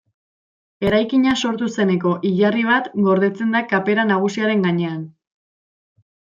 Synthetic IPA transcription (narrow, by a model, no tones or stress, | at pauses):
e̞ɾajkiɲaso̞ɾt̪use̞ne̞ko̞ʔiʎariβ̞at̪ɡo̞ɾðe̞t͡se̞nd̪akape̞ɾanaɣ̞usiaɾe̞ŋɡaɲe̞an